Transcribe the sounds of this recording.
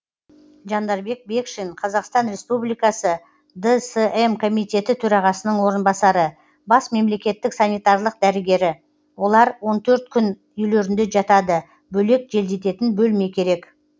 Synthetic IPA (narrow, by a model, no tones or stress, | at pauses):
ʒɑnd̪ɑɾbe̞k̚be̞kʃeɴqʰɑzɑqst̪ɑnɾe̞spublijkɑsə | d̪əseemkʰo̞mijt̪ʲe̞t̪ɪt̪ʰɵɾɑʁɑsənəɴwo̞ɾənbɑsɑɾə | bɑsme̞mle̞kʲe̞t̪ːɪksanijt̪ɑɾlˠəq̚d̪æɾɪɡʲe̞ɾɪ | wo̞lˠɑɾwo̞nt̪ʰɵɾt̪̚kʲʰʏn | ʏjleɾɪnd̪e̞ʒɑt̪ɑd̪ə | bɵle̞kʒe̞ld̪e̞t̪e̞t̪ɪnbɵlme̞kʲʰe̞ɾe̞k